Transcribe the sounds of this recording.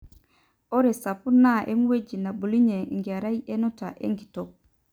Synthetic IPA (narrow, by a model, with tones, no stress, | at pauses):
o˦ɾe˨sa˨pu˦na˦ʔe˦mu˦we˦d͡ʒi˨na˨bu˨li˦ɲe˨ŋɡe˨ɾa˦je˦no˦ta˨ʔḛ˦ŋɡi̥˨to˨